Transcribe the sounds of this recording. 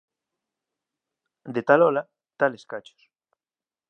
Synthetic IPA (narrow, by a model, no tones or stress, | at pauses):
d̪et̪alɔla | t̪aleskat͡ʃo̥s